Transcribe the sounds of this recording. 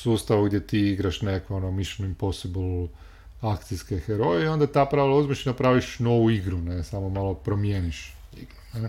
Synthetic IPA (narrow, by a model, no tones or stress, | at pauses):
suːst̪aʋuɡd̪jet̪iːiɡɾaʃnekoonomiʃenuimposiblˠ | akt̪siskexeɾo̞jeio̞nd̪at̪aːpɾaʋilauzmeʃinapɾaːʋiʃno̞ʋuiɡɾunesamomalˠopɾomjeːniʃiɡɾune